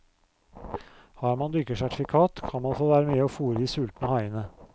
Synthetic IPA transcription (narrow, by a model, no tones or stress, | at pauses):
hɑːɾmɑnd̪ʏkəsæʈɪ̥fɪkʰɑːt̪kʰɑnmɑnfoːʋæːɾəmyːəoːfuːɾəiːsʉlt̪nəhɑɪənə